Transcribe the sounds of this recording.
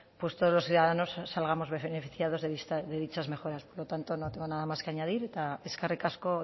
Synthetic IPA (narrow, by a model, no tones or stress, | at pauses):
pwe̞st̪oð̞o̞zlo̞sθjuðaðano̞sːalɣamo̞zβefenefiθjað̞o̞zðeðist̪aðe̞ðit͡ʃazme̞xo̞ɾaspoɾlo̞t̪ant̪o̞not̪eŋɡonaðamaske̞aɲaðiɾet̪aeskarekasko